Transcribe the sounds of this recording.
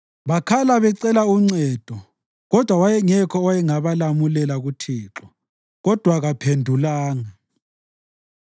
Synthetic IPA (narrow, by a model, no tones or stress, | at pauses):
βakʰalaβɛǀɛlauŋ͡ǀɛːd̥ʱɔ | ɣɔd̥ʱwawajɛŋɛkʰɔwajɛŋaβalamulɛlaɣutʰiːǁɔ | ɣɔd̥ʱwaɣapʰendʱulaːŋa